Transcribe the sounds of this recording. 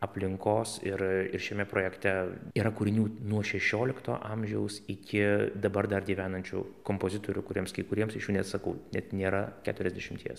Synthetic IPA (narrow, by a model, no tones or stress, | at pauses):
ɐpʲlʲɪŋkoːsɪɾɪɾʃʲɛmʲɛpɾoːjɛkt̪ʲɛiːɾɐkuːɾʲɪnʲuːnuɔʃʲɛʃʲoːlʲɪkt̪o̰ːʔɐmʲʒʲɛʊsɪkʲɪd̪ɐbɐrd̪ɐrɡʲiːʋʲæːnɐnʲt͡ʃʲṵːkoːmpoːzʲɪt̪oːɾʲʊkʊɾʲiɛmskɐɪkʊɾʲiɛmsɪʃjuːnʲɛt̪sɐkɐʊnʲɛt̪nʲeːɾɐkʲæːt̪ʊɾʲɛzʲd̪ʲɛʃʲɪmt̪ʲiɛs